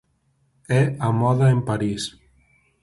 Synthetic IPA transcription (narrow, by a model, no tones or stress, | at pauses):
ɛamɔðaempaɾis